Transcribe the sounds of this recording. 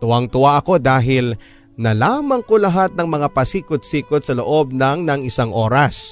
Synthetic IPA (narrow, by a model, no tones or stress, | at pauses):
t̪ʊwaŋt̪ʊwaʔɐko̞d̪aːɦɪl | nɐlaːmɐŋkolɐɦat̪̚nɐŋmɐŋapɐsiːkod̪̚siːkod̪sɐloʔo̞b̚nɐŋnɐŋɪsaŋʔo̞ːɾɐs